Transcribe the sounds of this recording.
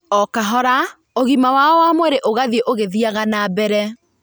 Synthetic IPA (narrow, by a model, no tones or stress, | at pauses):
ɔkaɦɔɾa | oɣimawaɔwamwɛɾeʔoɣaðieʔoɣeðiaɣanabɛɾɛ